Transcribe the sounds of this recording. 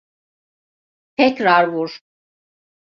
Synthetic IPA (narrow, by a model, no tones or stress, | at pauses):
t̪ʰɛcɾaɾvuɾ